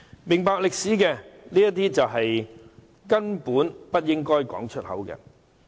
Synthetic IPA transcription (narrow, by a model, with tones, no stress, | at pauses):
mɪ˨ŋpaː˧k̚lɪ˨k̚siː˨˥kɛː˧niː˥jɐ˥t̪iː˥t͡sɐ˨wɦɐ˨j | kɐ˥npuː˨˥npɐ˥t̚jɪ˥ŋkɔː˥jkɔ̰ː˨˥ŋt͡ʃʰɵ˥t̚hɐ̰˨˥wkɛ̰ː˧